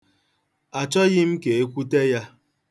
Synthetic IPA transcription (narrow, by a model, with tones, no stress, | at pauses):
a˨t͡ʃɔ˦ɣɪ˦m̩˦ke˨e˦kʷu˦te˦ja˦